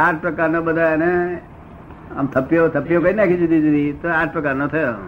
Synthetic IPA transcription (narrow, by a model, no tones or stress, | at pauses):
aʈʰpɾəkaɾnobəd̪ʱane | ə̰mt̪ʰəpjot̪ʰəpijokəinakʰid͡ʒud̪ʱid͡ʒud̪ʱit̪oaʈʰpɾəkaɾnot̪ʰəjo